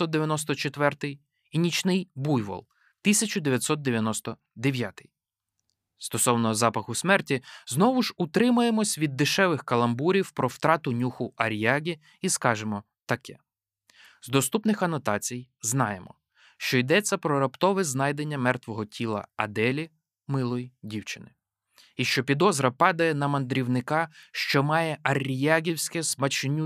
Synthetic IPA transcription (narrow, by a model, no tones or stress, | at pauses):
ɔt̪d̪eʋʲjɐnɔs̬t̪ɔt͡ʃet̪ʋɛrt̪ɪj | inʲit͡ʃnɪjbujʋɔ̰lˠ | t̪ɪsʲɐt͡ʃʊd̪eʋʲjɐt̪sɔt̪̚d̪eʋʲjɐnɔst̪ɔ | d̪eʋʲjat̪ɪ̥j | st̪ɔsɔwnɔzɑpɐxʊsmɛrtʲiznɔʋʊʒut̪ɾɪmʊjemɔsʲʋʲid̪ːɪʃɛʋɪxkɐlˠɐmbuɾʲiwpɾɔwt̪ɾɑt̪ʊnʲuxʊɐɾʲjɑɣʲi | iskɑʒemɔ | t̪ɐkɛ | zd̪ɔst̪upnɪxɐnɔt̪ɑt͡sʲij | znɑjemɔ̰ | ʃt͡ʃɔid̪ɛt͡sʲːɐpɾɔɾɐpt̪ɔʋɛznɑjd̪e̞nʲːɐmɛrt̪ʋɔɦɔtʲʰilˠɐ̰ɐ̰d̪ɛlʲi | mɪlˠɔjidʲiwt͡ʃɪnɪ | iʃt͡ʃɔpʲid̪ɔzɾɐpɑd̪ɐjɛnɐmɐnd̪ɾʲiwnɪkɑʃt͡ʃɔmɑjɛʔɐɾʲjaɣʲiwsʲkɛsmɐt͡ʃɪnʲu